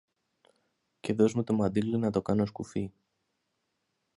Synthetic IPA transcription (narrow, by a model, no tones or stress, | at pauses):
ce̞ðo̞zmut̪omɐd̪ilinɐt̪o̞kɐno̞skufi